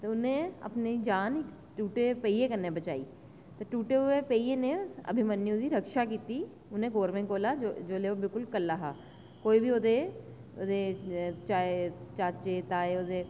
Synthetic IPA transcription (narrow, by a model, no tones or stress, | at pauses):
t̪oʊnɦẽɐ̰pned͡ʒaːnɪk | ʈuːʈepeiekəɾnːebət͡ʃa̰ːḭː | t̪eʈuːʈeɦʊepeieneʊsɐ̰bʱimənːiʊd̪iɾəkʃakiːt̪i | ʊnẽɡoːɾmẽkoːlad͡ʒoːleːobɪlkʊlkəlːaɦaː | koːibʱiod̪e | od̪et͡ʃaet͡ʃaːt͡ʃet̪aːeod̪e